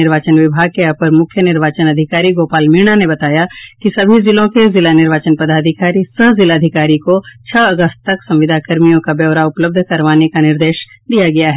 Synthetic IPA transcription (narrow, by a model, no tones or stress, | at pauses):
ɪɾʋaːt͡ʃənʋɪbʱaːɡ̚keɐpəɾmʊkʰjənɪɾʋaːt͡ʃənɐd̪ʱɪkaːɾiɡoːpaːlmiɽ̃anebɐt̪aːjakisɐbʱizɪlõkezɪlanɪɾʋaːt͡ʃənpɐd̪ʱaːd̪ʱɪkaːɾisəɦzɪlaːd̪ʱɪkaːɾikot͡ʃʰɐɐɡəst̪̚t̪ɐksɐ̃mʋɪd̪ʱakɐɾmijõkabjɛːʋɾaʊpləb̚d̪ʱkɐɾʋaːnekanɪɾd̪eːʃ | d̪ijaɡɐjaɦɛ